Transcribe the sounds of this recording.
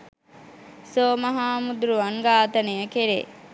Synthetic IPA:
soːmɐɦaːmud̪ɾuʋɐŋɡaːt̪ɐnejəkeɾḛː

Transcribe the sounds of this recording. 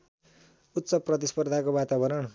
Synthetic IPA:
ut̪ːsʌprʌt̪ispʌrd̪ʱakobat̪abʌɾʌn

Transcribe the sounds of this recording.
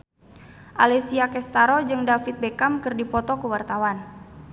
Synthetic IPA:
ʔa̰lɛsiakɛst̪aɾɔd͡ʒɨŋdafit̪̚bekamkɨrdipɔt̪ɔkəwart̪awan

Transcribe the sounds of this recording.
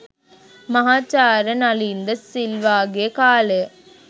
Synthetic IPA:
mɐɦaːt͡ʃːaːɾənɐliːnd̪ɐsilʋaːɡeːkaːləjə

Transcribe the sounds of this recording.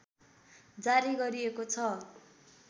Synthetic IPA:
d͡zaɾiɡʌɾiekot͡sʰʌ

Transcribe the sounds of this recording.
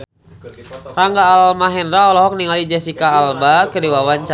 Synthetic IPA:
raŋɡaːlmaɦɛndɾaɔlɔɦɔk̚niŋalid͡ʒɛsikaːlbakədiwawant͡ʃ

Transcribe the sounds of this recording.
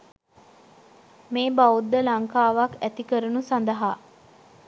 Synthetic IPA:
meːbaud̪ːəlaŋkaːʋakæt̪ikəɾunusand̪əɦa

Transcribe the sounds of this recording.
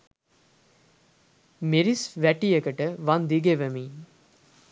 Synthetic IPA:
miɾisʋæʈijəkəʈəʋɐnd̪iɡeʋəmiː

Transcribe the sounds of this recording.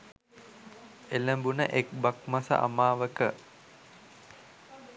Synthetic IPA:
eləmbunəʔekbakmasə̰ʔa̰maːʋəkə

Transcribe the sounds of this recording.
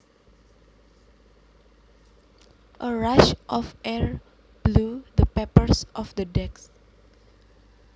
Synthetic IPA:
ʔəɹaʃʔɔfɛɹ | b̥lud̪əpɛpəɹsʔɔfd̪ədɛks

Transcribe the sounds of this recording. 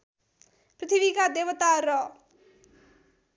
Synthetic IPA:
pɾɪt̪ʰibikad̪eʋət̪aɾʌ

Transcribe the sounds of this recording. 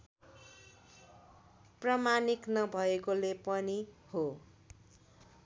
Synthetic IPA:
prʌmaniknʌbʱʌekolepʌniho

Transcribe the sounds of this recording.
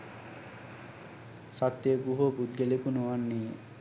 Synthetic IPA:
sat̪ːeɡuɦobud̪̚ɡelekunuʋanːije

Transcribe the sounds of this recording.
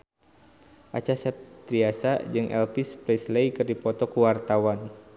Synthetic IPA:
ʔat͡ʃasɛp̚t̪ɾiasad͡ʒɨŋʔɛ̰lpispɾɛslejkɨrdipɔt̪ɔkuwart̪awan

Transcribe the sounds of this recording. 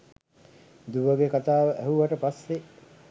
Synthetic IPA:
d̪uʋəɡekat̪aːʋəʔæɦuʋɐʈəpasːe

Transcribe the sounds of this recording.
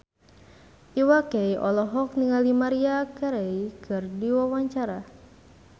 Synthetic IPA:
ʔiwakejʔɔlɔɦɔk̚niŋalimaɾiakaɾeikɨrdiwawaɲt͡ʃaɾa

